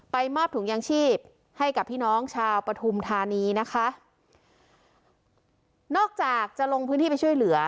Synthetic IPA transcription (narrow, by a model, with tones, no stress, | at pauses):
pa˧jmɔː˥˩p̚t̪ʰɯ˩˦ŋjaː˧ŋt͡ɕʰiː˥˩p̚ | ha˥˩jka˨˩pʰːiː˥˩nɔː˦˥ŋt͡ɕʰaː˧wpɾa˧t̪ʰu˧mt̪ʰaː˧niː˧na˦˥kʰa˦˥ʔ | nɔː˥˩k̚t͡ɕaː˨˩k̚t͡ɕa˨˩ʔlo˧ŋpʰɯ˧˦˥nt̪i˥˩a˧jt͡ɕʰjlɯ˩˦ɐ